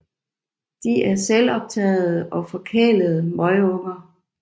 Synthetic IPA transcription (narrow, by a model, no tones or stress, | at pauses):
d̥iʔæɐselɒ̽b̥̚t͡sʰɛ̰ːð̩ˠəʔɒ̽fɒ̽kʰeːləð̞̩ˠəmɒɪɔ̽ŋɐ